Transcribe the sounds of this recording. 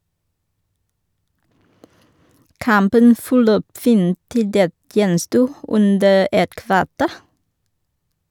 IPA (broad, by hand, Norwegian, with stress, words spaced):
ˈkɑmpən fɔˈløːp ˈfiːn ˈtɪ ˈdeːt ˈjɛnˌstuː ˈʉndə ˈɛt ˈkʋɑˌteːɾ